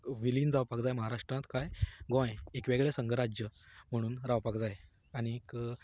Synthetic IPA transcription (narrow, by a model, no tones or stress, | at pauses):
ʋiliːnd͡zawpakd͡zajməɦaɾaʂʈɾãt̪kajɡõjeekʋeɡɭesəŋɡʱəɾad͡ʑjəm̤əɽ̃uːnɾaʋpakd͡zaj | aɽ̃ik